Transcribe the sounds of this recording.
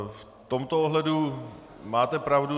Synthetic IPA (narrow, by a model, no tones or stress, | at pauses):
f | t̪omt̪ooɦlɛdu | maːt̪ɛpɾavdu